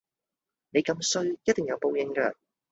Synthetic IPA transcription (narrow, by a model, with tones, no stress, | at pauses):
ne˨˧jkɐ˧msɵ˧ɥjɐ˥t̚t̪ɪ˨ŋjɐ˨˧wpo˨˧wjɪ˨˧ŋkɛ̰ː˧